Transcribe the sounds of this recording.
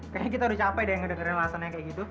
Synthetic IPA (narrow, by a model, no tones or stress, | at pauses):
kaak̬it̪aɾust͡ʃapajdajaŋədəŋəɾɪnlaasanaɲakajaɡit̪u